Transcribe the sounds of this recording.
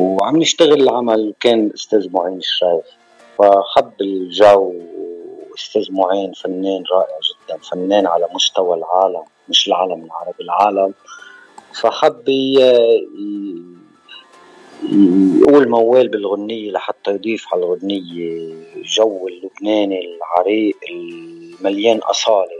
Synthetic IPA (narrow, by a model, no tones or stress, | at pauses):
wʕa̰mnɪʃt̪aɣɪlɪlʕamalwkeːnʔʊst̪eːzmʊʕiːnɪʃːajf | faħabːɪlʒaw | ʔʊst̪eːzmʊʕiːnfanːeːnɾˤɑːʔɪʕʒɪd̪ːanfanːeːnʕa̰lamʊʃt̪awalʕaːlamːɪʃɪlʕaːlamɪlʕɑ̰ɾˤɑbilʕaːlam | faħabːi | ʔuːlmawːeːlbɪlɣʊnːɪjːelaħat̪ːɑjd̪ˤiːfʕalɣʊnːɪjːeʒawːɪlːʊbneːnilʕɑɾiːʔɪlmaljeːnʔɑ̰sˤɑːli